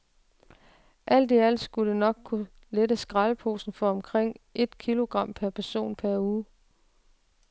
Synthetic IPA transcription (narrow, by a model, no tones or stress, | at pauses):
ʔæl̰d̥iæl̰sɡ̥ulənɒ̽ɡ̥̚kʰu | led̥əsɡ̥ʁɑlpʰo̝̰ːsn̩fɒ̽ɒ̽mkʰʁeŋ̰e̝d̥kʰilo̝ɡ̥ʁɑ̈m̰pʰæɐpʰæɐso̝̰ːnpʰæɐuː